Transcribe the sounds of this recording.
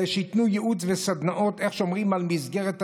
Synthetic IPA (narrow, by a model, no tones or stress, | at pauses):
ʃeit̪nujeʔut͡svesad̪naʔo̞t̪eχʃomʁimalmizɡeʁet̪